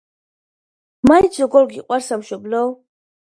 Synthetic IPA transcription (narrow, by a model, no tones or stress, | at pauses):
majzɔɡɔɾɡiqʼwaɾsamʃɔblɔw